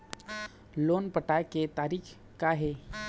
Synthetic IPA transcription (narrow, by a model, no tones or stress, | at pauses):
loːnpəʈaːeket̪aːɾiːk | kaɦe